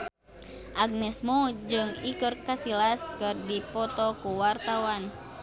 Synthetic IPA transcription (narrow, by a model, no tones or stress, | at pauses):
ʔaɡ̚nɛsmud͡ʒɨŋikɨrkasilaskɨrdipɔt̪ɔkuwart̪awan